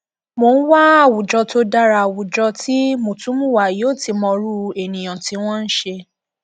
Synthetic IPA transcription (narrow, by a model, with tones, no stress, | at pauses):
mo˧˨n̩˦wa˦a˦˨wu˨d͡ʒɔ˧to˧da˦ɾa˧˨wu˨d͡ʒɔ˧ti˦mũ˨tũ˨˦mũ˦˨wa˨jo˦˨ti˧mɔ̃˧ɾu˦e˨nĩ˨j̃ɔ̃˨ti˧˦w̃ɔ̃˦n̩˦ʃe˧